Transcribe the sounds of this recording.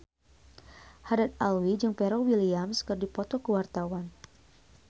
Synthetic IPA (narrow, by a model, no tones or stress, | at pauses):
hadat̪̚alwid͡ʒɨŋpɛɾɔwiliamskərdipɔt̪ɔkəwart̪awan